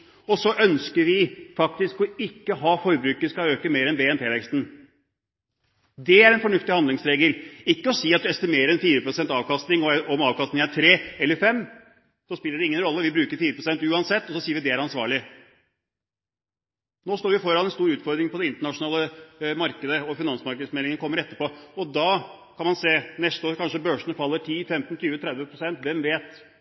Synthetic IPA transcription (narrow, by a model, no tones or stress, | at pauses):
ɔsɔʔœnskəɾʋɪfɑk̚t̪ɪskɔɪkːəɦɑːfɔɾbɾʉːkəskɑøːkəmeːɾɛnbeːɛnp̪ʰeːlɛkst̪n̩ | d̪ɛæɾɛnfɔɳʉft̪ɪhɑnd̪lɪŋsɾeːɡəlɪkːəɔsiːɑt̪̚d̪ʉɛst̪ɪmeːɾəɾɛnfiːɾəpɾʊsɛnt̪ɑːʋkɑst̪nɪŋɔɔmɑːʋkɑst̪ɪŋæt̪ʰɾeːɛlːəɾfɛmː | sɔspɪlːəɖɛɪŋːənɾɔlːəʋɪbɾʉːkəɾfiːɾəpʰɾʊsɛnt̪ʉːɑnsɛt̪ːɔsɔsiːəɾʋɪd̪ɛæɾɑnsʋɑ̰ːɭɪ | noːst̪oːɾʋɪfɔɾɑnɛnst̪uːɾʉːt̪fɔɾd̪ɾɪŋpɔd̪ɛɪnt̪əɳɑʂʊnɑːləmɑɾkəd̪əɔfɪnɑnsmɑɾkəd̪smɛlɪŋənəkɔmːəɾɛt̪ːəɾpɔɔd̪ɑkʰɑnmɑnseːnɛst̪əoːɾkʰɑnʂəbøːʂɳ̩əfɑlːəʈʰiːfɛmt̪nt̪ʰyːʋət̪ʰɾɛd̪ʋəpʰɾʊsɛnt̪ʋɛmʋeːt̪